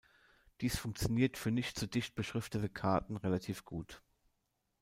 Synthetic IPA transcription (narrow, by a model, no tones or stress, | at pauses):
d̥iːsfʊŋkt͡sjoniːɐtfyːɐnɪçtt͡suːdɪçt̚b̥əʃʁ̥ɪftətəkʰaɐtn̩ʁelatʰiːfɡ̥uːt